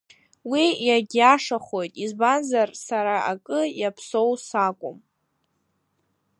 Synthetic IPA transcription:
wijaɡʲaʂaχo̞jtʼizbanzarsaɾaʔakʼɨjapʰso̞wsakʷʼʊm

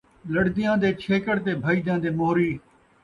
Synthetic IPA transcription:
ləɽd̪ɪjãːd̪eːt͡ʃʰeːkəɽt̪eːbʱəiːd̪jãːd̪eːmoːɾiː

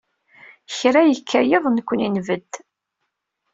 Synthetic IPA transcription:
çɾæjəkʰːæjəðˤnəkʷːəninvəd̪

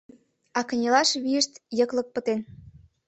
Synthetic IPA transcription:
ɑkə̆nʲelɑʃβiəʃt̪jəklə̆k̚pə̆t̪en

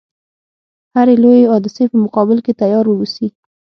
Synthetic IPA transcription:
haɾelojeɑd̪ɪsepəmʊqɑbɪlket̪ajɑɾwəwusi

